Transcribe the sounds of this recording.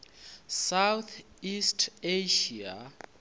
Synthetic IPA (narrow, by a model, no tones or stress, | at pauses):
sawt̪ʰ | istʰeʃia